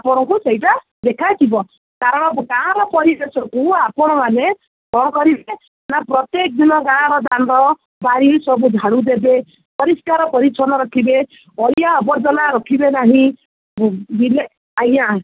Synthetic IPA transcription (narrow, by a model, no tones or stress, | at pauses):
apɔɽ̃ɔŋkuseiʈa | d̪ekʰajt̪ʰibɔ | kaɾɔɽ̃ɔkãɾɔpɔɾidesɔkuapɔɽ̃ɔmane | bʱɔɽ̃ɔkɔɾibe | napɾɔt̪jek̚d̪inɔɡaɽ̃aɾɔd̪anɔɾɔ | baɾisɔbud͡ʒ̪ʱaɽ̃ud̪ebe | pɔɾiskaɾɔpɔɾisʰɔnɔɾɔkʰibe | ɔjaɔbɔɾd͡ʒɔnaɾɔkʰibenaɦĩ | bile | aja